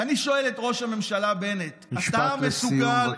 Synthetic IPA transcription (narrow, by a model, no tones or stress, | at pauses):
aniʃo̞eletʁo̞ʃhame̞mʃalabe̞netat̪amesuɡal